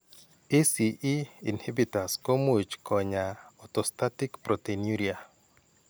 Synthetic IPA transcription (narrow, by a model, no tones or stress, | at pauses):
esiʔiinhebitaskomot͡ʃkʰɔɲaɔtɔstatikpɾɔtenjuɾia